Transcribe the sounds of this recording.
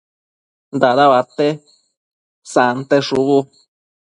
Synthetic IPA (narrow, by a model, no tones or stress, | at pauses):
nd̪aðaβat̪e | sant̪eʂuβu